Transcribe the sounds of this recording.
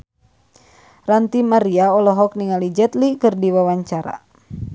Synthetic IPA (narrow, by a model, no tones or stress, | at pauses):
rant̪imaɾiaɔlɔɦɔk̚niŋalid͡ʒɛt̪likɨrdiwawaɲt͡ʃaɾa̰